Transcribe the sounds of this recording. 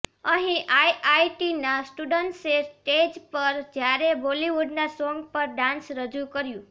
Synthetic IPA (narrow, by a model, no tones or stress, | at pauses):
əɦĩʔajʔaiʈinasʈuɖəɳʈsesʈed͡ʒpəɾd͡ʒjaɾeboliʋuɖnasɔŋɡpəɾɖãnsɾəd͡ʒũkəɾjũ